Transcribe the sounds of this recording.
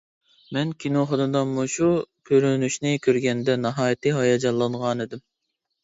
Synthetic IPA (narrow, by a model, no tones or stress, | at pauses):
mɛnkʲʰinoχɑd̪ɨd̪ɑmuʃukʲʰøɾynyʃnɪkʲʰøɾɡʲɛnd̪ɛnɑɦɑːjt̪ʰɨɦɑjɑd͡ʒɑlˠːɑɴʁɑned̪ɪm